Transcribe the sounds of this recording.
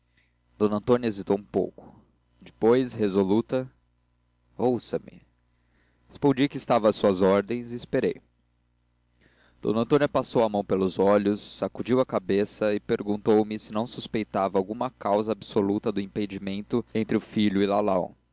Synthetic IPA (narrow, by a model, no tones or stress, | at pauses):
d̪̥õnɐ̃nt̪õnʲjɐezit̪owũpo̰wkʊ̥ | d͡ʒɪ̥pojshezolut̪ɐ | owsɐmɪ̰ | hespõd͡ʒikɪːst̪avɐɐsuɐzɔɾd̪ẽj̃zɪːspeɾḛj | d̪̥õ̰nɐ̃nt̪õnjɐpasowɐmɐ̃w̃pelʊzɔʎʊsːakud͡ʒiwɐkabesɐɪpeɾɡũnt̪owmɪsɪnɐ̃w̃suspejt̪avɐawɡũmɐkawzɐabsolut̪ɐd̪ʊĩped͡ʒimẽnt̪ʊẽnt̪ɾɪʊfiʎʊɪlalaw